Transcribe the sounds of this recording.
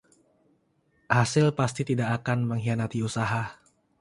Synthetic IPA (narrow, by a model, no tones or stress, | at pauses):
hasɪlpast̪it̪idaʔːkanməŋɦianat̪iusaɦa